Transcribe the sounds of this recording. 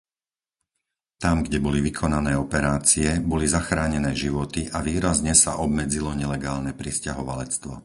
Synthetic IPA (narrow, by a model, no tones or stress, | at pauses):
t̪amɡɟɛbɔliʋikʰɔnanɛːɔpɛɾaːt͡siɛbɔlizaxɾaːɲɛnɛːʒiʋɔt̪iʔaʋiːɾazɲɛsa̰ʔɔb̚mɛd͡zilɔɲɛlɛɡaːlnɛpɾiscaɦɔʋalɛt͡st̪ʋɔ